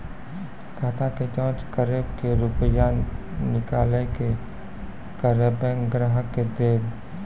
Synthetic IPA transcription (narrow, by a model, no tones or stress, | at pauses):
kʰaːt̪ʰaked͡ʒɔ̃ːt͡ʃkəɾeːbkeɾupəjanɪkaːleke | kəɾəbẽŋɡɾaːɦəkːed̪eːb